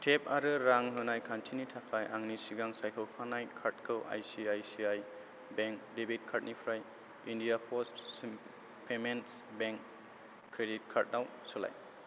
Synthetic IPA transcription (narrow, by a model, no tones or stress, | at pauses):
tʰep̚aɾɯɾaŋɦɯnajkʰantʰinitʰakʰajʔaŋnisiɡaŋsajkʰɯwpʰanajkʰaɾtkʰɯwʔa̰jsiajsiaj | beŋk̚debit̚kʰaɾt̚nipʰɾaj | indijapʰɔstː | pʰement | beŋkː | ɾedit̚kʰaɾt̚naw | sola̰j